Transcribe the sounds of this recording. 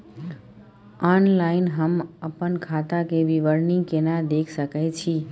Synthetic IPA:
ɔnlaɪnɦəməpənkʰat̪akeʋiʋəɾniŋɡkenad̪ekʰsəkɛt͡ʃʰi

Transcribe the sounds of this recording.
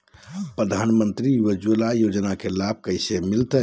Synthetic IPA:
pɾəd̪ʱanmənt̪ɾiiʋəd͡ʒəlajod͡ʒnakelab̚ʱkəɪsemilt̪ə

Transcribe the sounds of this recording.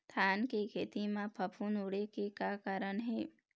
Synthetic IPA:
t̪ʰaːnkekʰeːt̪imãpʰəpʰuːnuɽekekaːkaɾəɳɦeː

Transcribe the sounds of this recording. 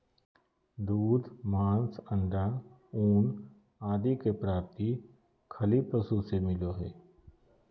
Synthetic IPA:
d̪uːd̪mãːnsə̃ɳɖa | uːn | aːd̪ikepɾaːp̚t̪i | kʰɐlipəsusemɪloɦɛː

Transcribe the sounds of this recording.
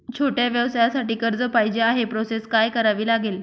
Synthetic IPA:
t͡ɕʰoʈjaʋjəʋsajasaʈiːkəɾd͡zəpajd͡ʑeaɦepɾoseskajkəɾaʋiːlaɡeːl

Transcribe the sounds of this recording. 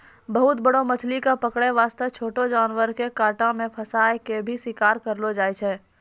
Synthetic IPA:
bəɦʊt̪bəɽomɐt͡ʃʰlikapəkɽeʋaːst̪ət͡ʃʰoːʈod͡ʒaːnwəɾkekaːʈãmẽpʰɐsaːjkebʱiswɪkaːɾkəɾlod͡ʒaːet͡ʃʰɛː

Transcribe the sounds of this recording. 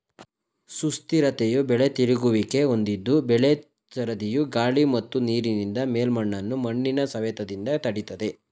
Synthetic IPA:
sust̪iɾɐt̪ejubɛɭet̪iɾiɡuʋike̞o̞nd̪id̪ːubɛɭe | t͡ʃɐɾɐd̪ijuɡaːɭimɐt̪ːuniːɾinind̪ɐmeːlmɐɳːɐnːumɐɳːinɐsɐʋet̪ɐd̪ind̪ɐt̪ɐɽit̪ɐd̪e̞

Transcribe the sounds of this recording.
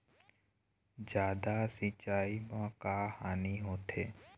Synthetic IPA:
d͡ʒjaːd̪asɪt͡ʃaːimãkaːhaːniɦoːt̪ʰeː

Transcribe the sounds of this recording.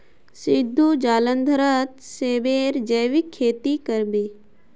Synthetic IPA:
sid̪ʱːud͡ʒaːlənd̪ʱəɾət̪seːbeːɾd͡ʒəːʋikʰːeːt̪ikəɾbi

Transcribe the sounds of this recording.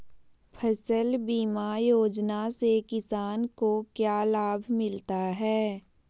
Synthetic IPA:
pʰəsəlbiːmajoːd͡ʒnasekɪsaːnkokjaːlaːbʱmɪlt̪aɦɛː

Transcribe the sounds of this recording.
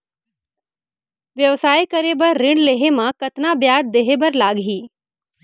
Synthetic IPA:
ʋjɐʋsaːikɐɾebɐɾːɪ̃ɳɖleːɦemãkɐt̪nabjaːd̪̚d̪eːɦebɐɾlaːɡɦiː

